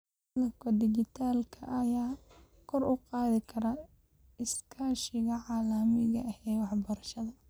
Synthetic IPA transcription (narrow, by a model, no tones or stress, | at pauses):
lɐkʰɐd̪ɪt͡ʃɪt̪ʰaːlkʰɐ̰ʔɐjaː | kʰɔrʊqɑːðɪkʰɐɾɐ | ɪskʰaːʃɪɣɐʕɑːlɐmɪɣɐɐhɛːwɑħbɐɾɐʃɐðɐ